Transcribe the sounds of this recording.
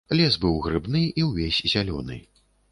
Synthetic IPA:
lʲɛsbɨwɣɾɨbnɨiwvʲesʲzʲalʲɔ̰nɨ̰

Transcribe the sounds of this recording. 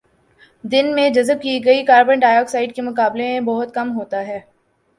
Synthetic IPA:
d̪ɪnmẽd͡ʒɐzəb̚kiɡɐikaːɾbəɳɖaːjɔːksaːɪɖkemʊkaːblemẽbɐɦʊt̪kɐmɦoːt̪aɦɛː

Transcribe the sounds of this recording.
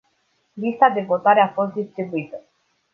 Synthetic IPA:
list̪ad̪ebot̪aɾeafɔsd̪ist̪ɾibuit̪ə

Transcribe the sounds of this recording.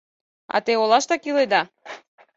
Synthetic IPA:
a̰t̪eolˠaʃt̪akilˠejd̪a

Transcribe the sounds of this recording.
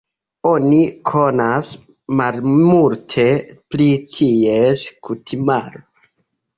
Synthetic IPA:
o̞nikʰo̞nas | malmultʰe̞plitʰieskutʰimaɾo

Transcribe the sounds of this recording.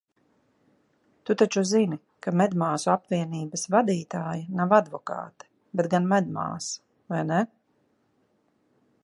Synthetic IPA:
t̪ut̪at͡ʃuzini | kamɛd̪maːsuapviɛniːbɐsvad̪iːt̪aːjanavad̪vɔka̰ːt̪ɛ̥ | bɛt̪̚ɡanmɛd̪̚ma̰ːs | vajnɛ

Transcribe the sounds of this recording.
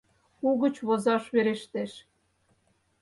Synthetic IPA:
uɣə̆t͡ɕβozɑʃβeɾeʃt̪eʃ

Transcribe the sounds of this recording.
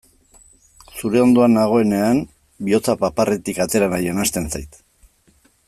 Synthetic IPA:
suɾe̞o̞nd̪o̞anaɣ̞o̞e̞ne̞an | bio̞t͡sapaparʔe̞t̪ikat̪e̞ɾanaje̞nast̪e̞nsajt̪

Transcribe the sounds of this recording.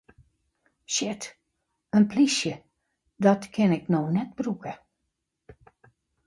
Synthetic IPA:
ʃɪt | ənplisjə | dɔtkʰɪnɪknonɛt̚brukə

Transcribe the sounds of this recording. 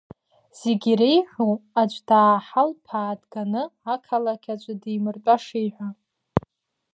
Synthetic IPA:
z̥eɡʲiɾejħʷᶣuad͡ʒʷdaːħalpʰaːdɡanɨakʰalakʲʰat͡ʃʷʼadijmɨrt͡pʷʼaʂejħʷa

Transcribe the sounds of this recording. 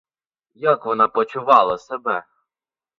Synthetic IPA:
jakʋɔnɑpɔt͡ʃʊʋɑlˠɐsebɛ

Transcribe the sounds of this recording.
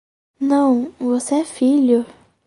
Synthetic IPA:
nɐ̃w̃voseɛfiʎʊ

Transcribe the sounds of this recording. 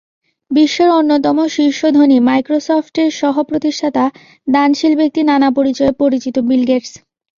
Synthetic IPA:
biʃːoɾonːot̪ɔmoʃiɾʃod̪ʱonimajkɾosɔfʈeɾʃɔɦopɾot̪iʃʈʰat̪a | d̪anʃilbek̚t̪inanapoɾit͡ɕɔepoɾit͡ɕit̪obilɡeʈs

